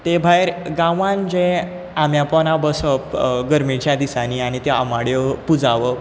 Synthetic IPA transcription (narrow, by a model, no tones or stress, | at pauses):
t̪ebʱajɾɡãʋãnd͡ʑẽ | amjapɔnabəsəpɡəɾmit͡ɕjad̪isaniañit̪ɛamaɽjɔpud͡zaʋə